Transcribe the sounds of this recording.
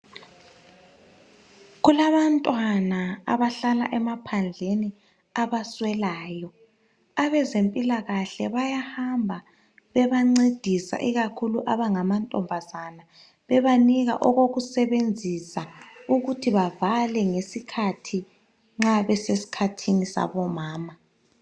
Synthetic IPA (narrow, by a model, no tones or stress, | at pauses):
ɣulaβantʼwanaa̰βaɬala̰ʔɛmapʰand͡ɮʱeni | aβaswɛlaːjɔ | aβɛzempʼilaɣaɬɛβajahambʱa | βɛβaŋ͡ǀed̥ʱisa̰ʔiɣakʰuluʔaβaŋamantʼɔ̰mbʱazana | βɛβaniɣa̰ʔɔɣoɣusɛβend͡zʱisauɣutʰiβavalɛŋesikʰatʰi | ŋ͡ǁaβɛsesi̥kʰatʰinisa̰βɔmaːma